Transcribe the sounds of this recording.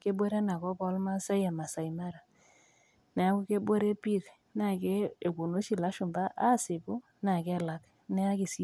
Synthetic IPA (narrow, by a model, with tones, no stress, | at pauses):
ke˦bwe˦ɾe˦na˨kɔ˦pɔ˦lma˦sa˦ja˨ma˨sa˨i˨ma˦ɾa˨ | nɛ˨a˦ku˦ke˦be˦ɾe˦pi˦ɾ | na˦˨kɛ˦e˨ko˨no˦ʃi˨la˦ʃʊ˨mba˦ʔa˦sɪ˨kʊ˦ | na˨kɛ˦la˦k | nɛ˦a˦ki˨si˦